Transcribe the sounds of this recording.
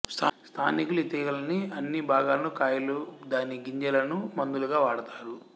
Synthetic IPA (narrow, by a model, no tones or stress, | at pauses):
st̪ʰast̪ʰaːnikulit̪ɛːɡɐlɐniɐnːibʱaːɡaːlɐnukaːjɐlud̪aːniɡiɲd͡ʒɐlɐnumɐnd̪uluɡaːʋaːɽɐt̪aːɾu